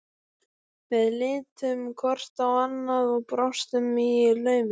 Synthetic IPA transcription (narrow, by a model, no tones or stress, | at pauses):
vɛðlɪːt̪ʏmkʰɔr̥t̪awanːaðɔɣpɾɔwst̪ʏmːijɪɾlœːɥmɪ